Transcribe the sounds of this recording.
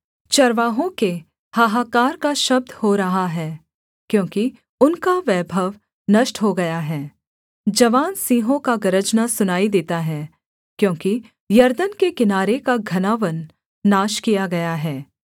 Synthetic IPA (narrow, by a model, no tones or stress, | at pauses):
t͡ʃɐɾʋaːɦõke | hɐɦaːkaːɾkaʃɐb̚d̪ʱhoɾɐɦaɦɛː | kjõːki | ʊnkaʋɛːbʱəʋ | nɐʃʈɦoɡɐjaɦɛː | d͡ʒɐʋaːnsĩːɦõkaɡɐɾəd͡ʒnasʊnaːid̪eːt̪aɦɛː | kjõːki | jɐɾd̪ənkekɪnaːɾekaɡʱɐnaːʋənː | aːʃkijaɡɐjaɦɛː